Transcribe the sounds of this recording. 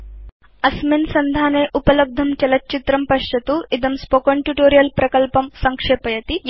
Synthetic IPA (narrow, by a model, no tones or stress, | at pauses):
ɐsminsɐnd̪ʱaːneːʔupɐlɐb̚d̪ʱɐmt͡ʃɐlɐtːt͡ʃit̪ɾɐmpɐʃt͡ʃɐt̪uid̪ɐmspokoɳʈjuʈoːɾijɐlpɾɐkɐlpɐmsɐŋkʂeːpɐjɐt̪i